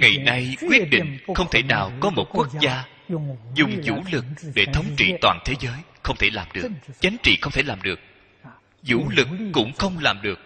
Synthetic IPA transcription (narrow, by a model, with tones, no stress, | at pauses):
ŋa˨˩jna˧jkwi˦˥ət̚ɗḭ̈˧˨ŋxə˧wŋ͡mt̪ʰe˧˩na̰ː˨˩wkɔ˨˦mo˨˩t̚ku˦˥ək̚zaː˧ | zʊ˨˩ŋ͡mzṵ˧˥lɨ˨˩k̚ɗe˧˩t̪ʰə˨˦wŋ͡mt͡ɕḭ˧˨t̪waː˨˩nt̪ʰe˨˦zəː˨˦jxə˧wŋ͡mt̪ʰe˧˩laː˨˩mɗɨ˨˩əət͡ɕa˨˦jŋ̟t͡ɕḭ˧˨xə˧wŋ͡mt̪ʰe˧˩laː˨˩mɗɨ˨˩ək̚ | zṵ˧˥lɨ˨˩kːʊ̰˧˥ŋ͡mxə˧wŋ͡mlaː˨˩mɗɨ˨˩ək̚